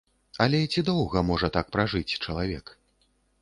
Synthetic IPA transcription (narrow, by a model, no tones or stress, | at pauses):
ɐlʲɛt͡sʲid̪ɔwɣɐmɔʐɐt̪ak̚pɾaʐɨt͡sʲt͡ʂɐlˠavʲɛk